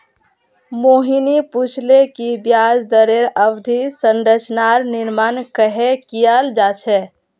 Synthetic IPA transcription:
moɦiniput͡ʃʰlekibjad͡ʒd̪əɾeɾəbd̪ʱisənɾət͡ʃnaɾniɾmankəɦekijald͡ʒat͡ʃʰɛ

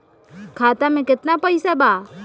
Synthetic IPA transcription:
kʰaːt̪amẽkɪt̪napəjsabaː

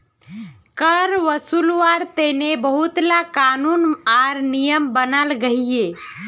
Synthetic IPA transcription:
kəɾʋəsulʋaɾt̪enebəɦut̪lakanunaɾnijəmbənalɡəɦije

